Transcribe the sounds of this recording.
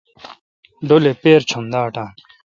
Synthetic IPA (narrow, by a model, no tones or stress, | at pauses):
ɖolepeːɾt͡ɕʰomd̪aːʈãːn